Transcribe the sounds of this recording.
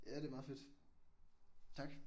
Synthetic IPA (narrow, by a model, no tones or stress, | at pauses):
jæd̥e̝mɑ̈ðˠfed̥ | t͡sʰɑɡ̥